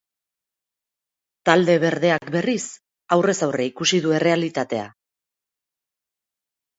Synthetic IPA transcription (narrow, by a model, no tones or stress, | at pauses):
t̪ald̪e̞βe̞ɾðe̞akbe̞ris | awre̞sawreikusiðue̞re̞alit̪at̪e̞a̰